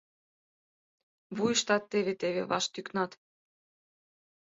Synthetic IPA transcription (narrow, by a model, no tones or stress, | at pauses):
βujəʃt̪ɑt̪ːeβet̪eβḛβɑ̰ʃt̪yknɑt̪